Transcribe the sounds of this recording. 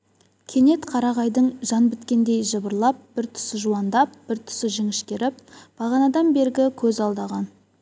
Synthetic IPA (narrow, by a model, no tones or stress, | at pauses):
kʲʰe̞ne̞t̪qʰɑɾɑʁɑjd̪əɴʒɑnbɪt̪kʲe̞nd̪e̞jʒəbəɾlˠɑp̚b̥ɪɾt̪ʰʏ̥sɪʒuɑnd̪ɑp̚b̥ɪɾt̪ʰʏ̥sɪʒɪŋɪʃkʲe̞ɾɪp̚b̥ɑʁɑnɑd̪ɑnbe̞ɾɡʲɪkʲʰɵzɑlˠd̪ɑʁɑn